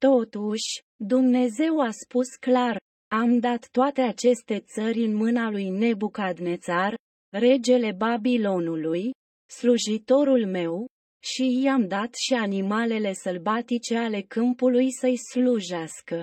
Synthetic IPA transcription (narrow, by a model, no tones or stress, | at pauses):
t̪o̞t̪uʃʲ | d̪umne̞ze̞waspusklar | amd̪at̪ːoat̪e̞at͡ʃe̞st̪e̞t̪səɾʲɨnmɨnalujne̞bukad̪ne̞t̪sar | re̞d͡ʒe̞le̞babilo̞nuluj | sluʒit̪o̞ɾulme̞w | ʃijamd̪at̪ʃianimale̞le̞səlbat̪it͡ʃe̞ale̞kɨmpulujsəjsluʒaskə